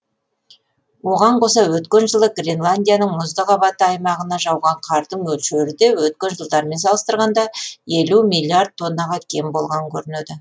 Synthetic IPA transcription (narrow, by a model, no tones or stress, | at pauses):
wo̞ʁɑɴqʰo̞sɑwɵt̪kʲe̞nʒəlˠəɡrʲe̞nlˠanʲd̪ʲijanəɴmʊzd̪əqɑβɑt̪əɑjmɑʁənɑʒɑwʁɑɴqʰɑɾd̪əɴwɵlʃeɾɪd̪e̞wɵt̪̚kʲe̞nʒəlˠd̪ɑɾme̞ns̬ɑlˠəst̪əɾʁɑnd̪ɑe̞lumilʲˠːiard̪̚t̪ʰːo̞nːɑʁɑkʲʰe̞mbo̞lˠʁɑŋŋkʲʰɵɾɪned̪ɪ